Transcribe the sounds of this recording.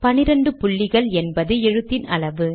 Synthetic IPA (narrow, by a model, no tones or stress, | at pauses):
pɐnɪɾɐɳɖɯpʊɭːɪɣɐɭɛnbɐðɯɛɻɯt̪ːɪnɐɭɐʋɯ